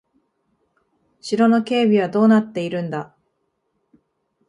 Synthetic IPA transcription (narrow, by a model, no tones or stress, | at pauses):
ɕiɾo̞no̞ke̞ːbʲiβ̞ad̪o̞ːnat̪ːe̞iɾɯ̟̃nd̪a